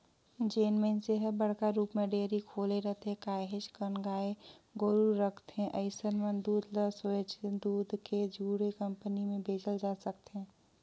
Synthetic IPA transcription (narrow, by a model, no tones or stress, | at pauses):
d͡ʒeːnmeːnseɦəbəɽ̤kaɾuːpmẽɖeːɾikʰoːleɾəɦt̪eɦɛ̃kaːɦɪd͡ʒkənɡaːeɡoɾuɾɾəkʰt̪ɦɛ̃ʔəɪsənmənd̪uːd̪ʱləsod͡ʒd̪uːd̪ʱked͡ʒʱuːɽekə̃mpənimẽbʱeːd͡ʒəld͡ʒaːsəkt̪ɦɛ̃ː